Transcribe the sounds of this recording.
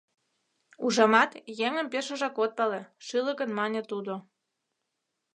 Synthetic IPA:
uʒɑmɑt̪jeŋə̆mpeʃə̆ʒɑkot̪̚pɑleʃɯlə̆kənmɑnʲet̪ud̪o

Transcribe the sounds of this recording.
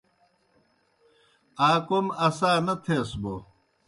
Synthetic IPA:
aːkomɐsaːnɐt̪ʰeːsbo

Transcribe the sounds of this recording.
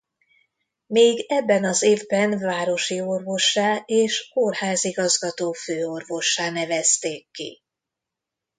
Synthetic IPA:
meːɡɛbːɛnɒzeːvbɛnvaːɾo̞ʃio̞rvo̞ʃːaːeːʃkorhaːziɡɒzɡɒt̪oːføːo̞rvo̞ʃːaːnɛvɛst̪eːkːḭ

